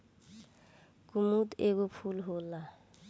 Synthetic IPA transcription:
kʼumutʼek̬ʊpʰulɦʊːla

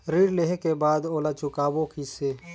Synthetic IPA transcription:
ɾiːɾleɦekebaːd̪oːlaːt͡ʃʊkaːbokiseː

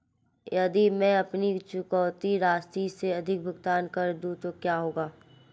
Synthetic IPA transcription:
jɐd̪imɛ̃ɐpnit͡ʃʊkɔːʊt̪iɾaːst̪ɾiseɐd̪ʱɪk̚bʱʊɡt̪aːnkɐɾd̪ũt̪okjaːɦoːɡaː

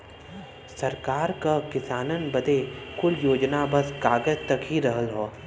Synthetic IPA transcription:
sɐɾkaːɾkakɪsaːnənbɐd̪ekʊljoːd͡ʒnabɐsɡaːɡəd͡ʒt̪ɐkɦiɾɐɦəlɦoː

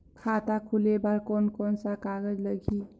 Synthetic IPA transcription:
kʰat̪akʰulebaɾkɔnkɔnsakaɡəd͡ʒləɡʱi

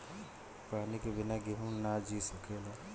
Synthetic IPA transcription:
paːnikebɪnaɡeɦũnad͡ʒisɐkʰela

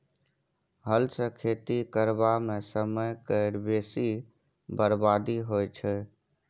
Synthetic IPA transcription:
ɦəlsə̃kʰet̪ikəɾbamesəməjkəɪɽbesi | bəɾbad̪iɦojt͡ʃʰɛ

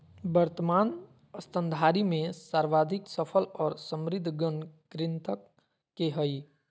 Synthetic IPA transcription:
bəɾt̪əmaːn | əst̪ənd̪ʱaɾimẽsaɾʋad̪ʱiksəpʰəlɔːɾsəmɾɪd̪ʱːɡənkɾɪnt̪əkː | eɦəj

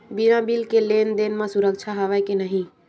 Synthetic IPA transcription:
biɾãbilkelend̪enmesuɾəkt͡ʃʰaɦəʋajkenəɦĩ

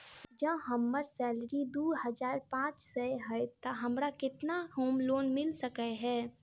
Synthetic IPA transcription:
d͡ʒə̃ɦəmːəɾsɛːlɾid̪uːɦəd͡ʒaːɾpãːt͡ʃsəɦət̪əɦɐmɾakɪt̪naɦoːmloːnmɪlsəkəɦɛː

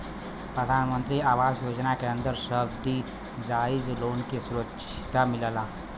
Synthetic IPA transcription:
pɾəd̪ʱaːnmə̃nt̪ɾiaːʋaːzjoːd͡ʒnakeə̃nd̪əɾsəbt̪i | d͡ʒaːɪd͡ʒloːnkisʊɾəkʃ | ɪ̥t̪amɪllaː

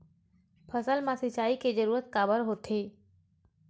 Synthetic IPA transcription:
pʰəsəlmãsɪt͡ʃaːiked͡ʒəɾuːɾət̪kaːbəɾɦoːt̪e

